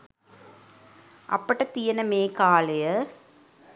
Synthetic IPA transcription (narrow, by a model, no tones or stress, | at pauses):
ʔɐ̰pːɐʈːɐt̪ːijɐnɐmeːkaːlɐjɐ